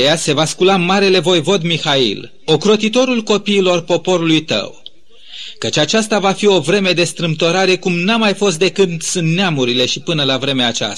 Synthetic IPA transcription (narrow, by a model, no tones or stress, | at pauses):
jase̞vaskulamaɾe̞le̞vo̞jvo̞d̪mixaḭl | o̞kɾo̞t̪it̪o̞ɾulko̞piːlo̞rpo̞po̞ɾulujt̪ə̰w | kət͡ʃʲat͡ʃast̪avafio̞vɾe̞me̞d̪e̞st̪ɾɨmt̪o̞ɾaɾe̞kumnamajfo̞s̬t̪̚d̪e̞kɨt̪sunt̪neamuɾile̞ʃipɨnəlavɾe̞meaːt͡ʃa̰s